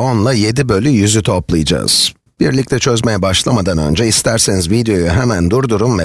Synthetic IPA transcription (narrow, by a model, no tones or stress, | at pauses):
o̞nlˠaje̞d̪ibø̞lʲyjyzyt̪ʰo̞plˠɯjd͡ʒa̰ːz̥ | b̥iɾlʲic̚t̪ʰɛt͡ʃʰø̞zme̞jɛbaʃlˠamad̪anø̞̰nd͡ʒɛist̪ʰæɾsenizvid̪ejo̞juɦemænd̪uɾd̪uɾumvɛ